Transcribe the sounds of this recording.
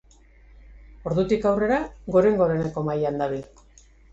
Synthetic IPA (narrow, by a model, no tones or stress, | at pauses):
o̞ɾðut̪ikawre̞ɾaɣo̞ɾe̞ŋɡo̞ɾe̞ne̞ko̞majand̪aβil